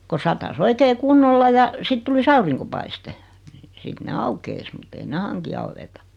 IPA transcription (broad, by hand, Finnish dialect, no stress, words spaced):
ko sɑtɑs oikeː kunːolːɑ jɑ sit tulis ɑuriŋkopɑiste n̆ĭ sit ne ɑukeis mutː ei ne hɑŋki ɑuwetɑ